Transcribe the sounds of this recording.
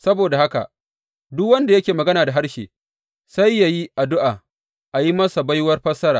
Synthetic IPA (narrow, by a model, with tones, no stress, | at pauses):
sɐ˦boː˨da˨ha˦ka̰˨ʔ | dʊ˦kwɐ˦nda˨jɐ˦kʲeː˨mɐ˨ɡɐ˦naː˨da˨ɦa˦rʃḛː˨ | sa˦jːa˨ji˦ʔa˨dʊ˦ʔaː˨ | ʔa˨ji˦mɐ˦sa˨bɐ˦jwɐ˦rɸɐ˦sɐ˦ɾa̰ː˨